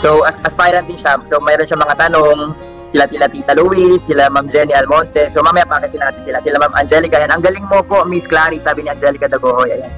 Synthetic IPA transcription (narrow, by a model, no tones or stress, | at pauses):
sowʔɐsʔɐspajɾɐnt̪liʃamsowmɛːɾonʃaŋmɐŋat̪ɐnoŋ | sɪlat̪ilat̪it̪ɐluwɪsːɪlamamd͡ʒɛniɐlmont̪ɛsomamɐjapaːkɛnt̪ɪnaːt̪ɪnsɪlasɪlamamʔɐ̰nd͡ʒɛlɪkɐjanʔɐŋɡɐlɪŋmopomisklaːɾisaːbɪniʔɐnd͡ʒɛlɪkɐd̪ɐɡoːhojʔɐ̰jan